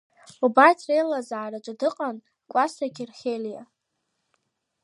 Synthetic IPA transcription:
ubatʰrejlazaʕaɾat͡ʃʼadɨqʼan | kʷʼasaɡʲɪrχʲelja

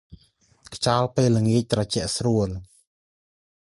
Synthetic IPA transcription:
kʰt͡ɕɑːlpeːlːəŋiəc̚t̪rɑt͡ɕɛ̆əʔsruəl

